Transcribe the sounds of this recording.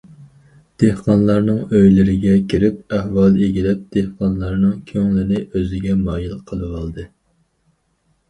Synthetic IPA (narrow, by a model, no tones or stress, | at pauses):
d̪̥ehqɑnlˠɑɾnɨŋøjlɪɾɪɡʲɛkʲʰiɾɪp̚æhwɑlˠeɡʲilɛp̚d̪̥ehqɑnlˠɑɾnɨŋkʲʰøŋlɪnɪʔøzɪɡʲɛmɑːjilqʰəlˠɨwɑlˠd̪ɨ